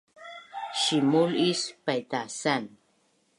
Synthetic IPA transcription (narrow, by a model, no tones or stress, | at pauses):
ʃimulispajt̪asan